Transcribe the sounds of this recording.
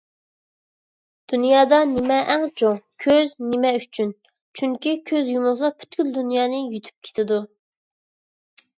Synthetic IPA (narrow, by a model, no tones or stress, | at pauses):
d̪̥unjɑːd̪ɑnɪmɛʔɛŋt͡ʃʰoŋkʲʰøznɪmɛyt͡ʃʰyn | t͡ʃʰyŋkʲikʲʰøzjumʊʁzɑpʰy̥t̪ɡʲyld̪unjɑːnɨjyt̪ʰy̥p̚kʲʰe̥t̪ʰɪd̪u